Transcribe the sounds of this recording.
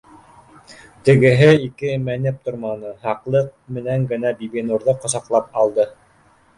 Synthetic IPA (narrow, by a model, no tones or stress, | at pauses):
t̪ɘ̆ɡɘ̆ɦɘikɘmænɘp̚t̪ŏɾmɑnɤɦɑqlˠɤq̚mɘ̆næŋɡɘ̆næbiβinuɾðɤqŏsɑqlˠɑpɑlˠd̪ɤ